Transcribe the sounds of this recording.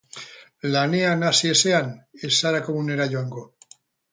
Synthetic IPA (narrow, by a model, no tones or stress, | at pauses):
laneanasieseanesaɾakomuneɾaʎoaŋɡo